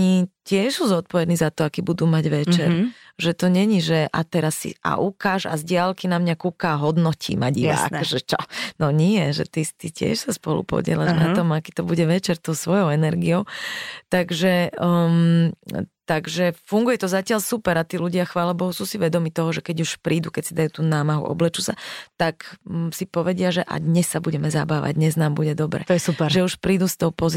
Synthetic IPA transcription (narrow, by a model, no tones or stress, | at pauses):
icɪɛʃsuzɔt̪̚pɔʋɛd̪niːzat̪ɔakiːbud̪uːmaɟʋɛt͡ʃɛɾ | ʒɛt̪ɔɲɛɲiʒɛʔa̰t̪ɛɾasːḭʔa̰ʔukaːʒa̰zɟɪalkinamɲakukaɦɔd̪nɔcʰḭːma̰ɟia̰kʒɛt͡ʃɔnɔɲiɛʒɛ̰t̪ist̪icɪɛ̰ʃsaspɔ̰lṵpɔ̰ɟɪɛ̰laʒnat̪ɔmakiːt̪ɔbuɟɛʋɛt͡ʃɛɾt̪ɔʊsʋɔjɔʊɛnɛɾɡiɔʊt̪aɡʒɛm | t̪aɡʒɛfuŋɡujɛt̪ɔzacɪaʎsupɛɾat̪iːluɟɪaxʋaːlɛbɔɦusuːsiʋɛd̪ɔmiːt̪ɔɦɔʒɛkɛɟuʃpɾiːd̪ukɛcsid̪ajuːt̪uːnaːmaɦṵʔɔ̰blɛt͡ʃusat̪aksipɔʋɛɟɪaʒɛʔa̰d̪ɲɛsːabuɟɛmɛza̰baːʋa̰ɟd̪ɲɛznaːmbuɟɛd̪ɔbɾɛ̰ːjɛsupɛɾʒɛuʃpɾiːd̪ust̪ɔʊpɔz